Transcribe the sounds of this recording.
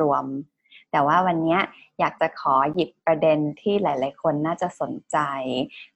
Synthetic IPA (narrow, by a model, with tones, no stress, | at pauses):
u˧˩əm | t̪ɛː˨˩waː˥˩wa˧nːi˦˥ɐ | jaː˨˩k̚t͡ɕa˨˩kʰɔː˩˦ji˨˩pːɾa˧de˧nt̪ʰiː˥˩laː˨˩˦jlaː˩˦jkʰo˧nːaː˥˩t͡ɕa˨˩ʔso˩˦nt͡ɕa˧j